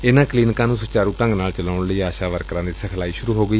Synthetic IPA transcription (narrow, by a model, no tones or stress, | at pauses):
ɪnãːkliːnkãːnũːsʊt͡ʃaːɾũːʈəŋɡnaːlt͡ʃəlaːʊɳləiːaːʃaːʋəɾkɾãːd̪iːsəkʰlaːiːʃʊɾuːɦoːɡəiː